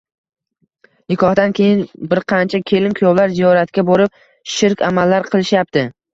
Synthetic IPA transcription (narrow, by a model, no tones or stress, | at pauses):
jɪkʰɒhd̪ankʲʰe̞jɪnbɪɾqʰɑnt͡ʃʰakʲʰe̞lɪmkʰʊjɒwlaɾzijɒɾat̪kʲaboɾɪp̚ | ʃɪɾkʲa̰malːaɾqʰɨlˠɪʃjap̚t̪ʰɪ